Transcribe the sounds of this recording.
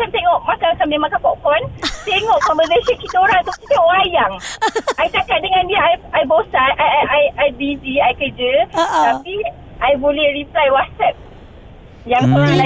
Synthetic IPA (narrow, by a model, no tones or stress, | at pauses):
kamt̪eŋɔʔmãkakamẽmãŋkapɔʔkɔnt̪eŋɔʔkɔmbəɡəsikit̪oɾaŋt̪ukit̪eɔʔwajaŋʔajt͡ʃakat̪̚dəŋãndiəajajbosaʔajaajajbid͡ʒiajkəd͡ʒət̪api | ʔajbolɛhɾiplajwat̪̚sɛp̚ | jaŋsoɾaŋla